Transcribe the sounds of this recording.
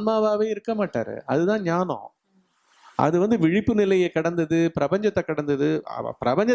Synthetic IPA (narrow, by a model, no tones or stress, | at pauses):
nmaːʋaːʋeːɪɾɯkːɐmaːʈːaːɾɯ̰ʔɐðɯt̪ãːɲaːnõ̰ | ʔɐ̰ðɯʋɐnd̪ɯʋɪɻɪpːɯnɪlɐjɐkɐɽɐnd̪ɐðɯpɪɾɐbɐɲd͡ʒɐt̪ːɛkɐɽɐnd̪ɐðɯ̰pɪɾɐbɐɲd͡ʒɐ